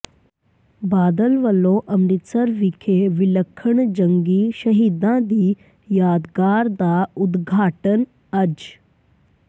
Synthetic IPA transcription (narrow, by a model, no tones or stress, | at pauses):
baːd̪əlʋəloʔəmɾisəɾʋikʰeʋiləkʰːəɳd͡ʑəŋɡiʃəɦiːd̪ãd̪iː | jaːd̪ɡaːɾd̪aud̪ɡʱaːʈən | ɐd͡ʒ